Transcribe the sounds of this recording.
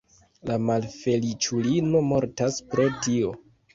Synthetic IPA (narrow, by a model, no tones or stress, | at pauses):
lamalfe̞lit͡ʃulino̞mo̞ɾtaspɾo̞tio̞